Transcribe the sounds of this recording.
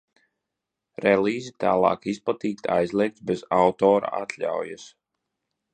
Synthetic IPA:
ɾɛlˠiːzit̪a̰ːlˠɑ̰ːkisplˠat̪iːk̚t̪ʰa̰jzlˠiɛk̚t̪bɛzawt̪ɔːɾa̰a̰t̪lʲa̰wjas

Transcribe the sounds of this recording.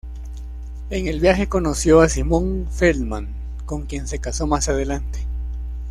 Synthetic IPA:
e̞ŋelβjaxe̞ko̞nosjo̞asimõ̞ŋfelmaŋ | ko̞ŋkje̞nse̞kaso̞masað̞e̞lant̪e̥

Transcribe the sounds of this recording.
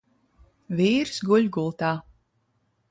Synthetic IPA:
viːɾsɡuʎʲɡulˠt̪aː

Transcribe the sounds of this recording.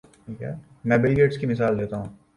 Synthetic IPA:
ʈʰiːkɦɛ̰ː | mɛ̃ːbɪlɡeːʈskimɪsaːld̪eːt̪aɦũː

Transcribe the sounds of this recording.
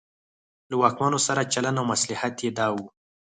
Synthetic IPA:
lawɑkmanosaɾat͡ʃalanawmaslɪhat̪jed̪ɑwu

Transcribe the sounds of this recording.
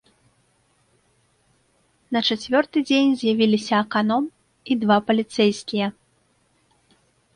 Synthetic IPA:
nɐt͡ʂat͡sʲvʲɔrt̪ɨd͡zʲenʲzʲjavʲilʲisʲɐːkanɔm | id̪vapɐlʲit̪sɛjskʲijɐ

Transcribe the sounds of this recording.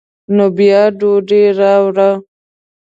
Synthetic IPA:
nobijɑɖoɖeɾɑwɾa

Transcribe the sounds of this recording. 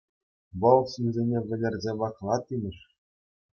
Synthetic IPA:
ʋɤ̆lˠɕinʲzʲenʲeʋʲɘ̆lʲɘ̆rʲzʲeʋɑχlˠɑt̪ʲːimʲɘ̆ʂ

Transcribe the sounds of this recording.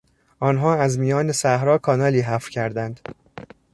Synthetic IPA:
ʔɒːnɦɒːæzmijɒːnesæhɾɒːkʰɒːnɒːliːɦæfcʰæɾd̪ænd̪

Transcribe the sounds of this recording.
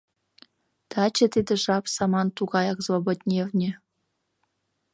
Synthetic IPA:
t̪ɑt͡ɕĕt̪id̪ĕʒɑpsɑmɑnt̪uɣɑjɑkzvobot̪ʲnʲevnʲĕ

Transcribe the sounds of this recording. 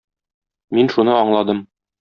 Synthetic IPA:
minʃunɤɒɴlˠɑd̪ɤm

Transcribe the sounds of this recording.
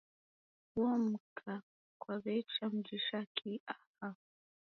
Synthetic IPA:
ɔm̩kʰa | kwaβɛt͡ʃam̩d͡ʒiʃakʰiaha

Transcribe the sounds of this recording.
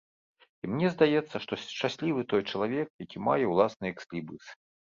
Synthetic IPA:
imnʲɛzd̪ajɛt̪sːɐʂt̪ɔt͡ʂasʲlʲivɨt̪ɔjt͡ʂɐlˠavʲɛk̚jakʲimajɛwlˠasnɨjɛksʲlʲibɨsɨ̥

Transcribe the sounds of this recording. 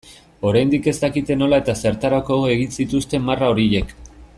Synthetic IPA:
o̞ɾajnd̪ike̞zt̪akit̪e̞no̞lae̞t̪ase̞ɾt̪aɾako̞ɣoe̞ɣ̞insit̪ust̪e̞maraoɾije̞k

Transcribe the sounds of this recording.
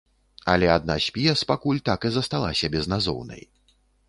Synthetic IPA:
ɐlʲɛad̪̚nasʲpʲijɐspakulʲt̪akɨzɐst̪alˠa̰sʲɐbʲɛznazɔ̰wnɐ̰j

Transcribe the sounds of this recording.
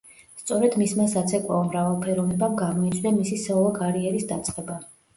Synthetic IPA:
st̪sʼɔɾɛd̪mismasat̪sʰɛkʼaɔmɾavɛlˠpʰɛɾɔvnɛbamɡamɔit̪sʼʰd̪ɛmisisɛɔlˠɔɡaɾiɛɾisd̪at̪sʼqʼɛba

